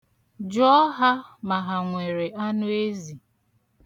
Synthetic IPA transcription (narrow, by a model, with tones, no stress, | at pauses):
d͡ʒɔ˦ɦa˦ma˨ɦa˨ŋʷe˨ɾe˨ʔa˦nʊ˦e˦zi˨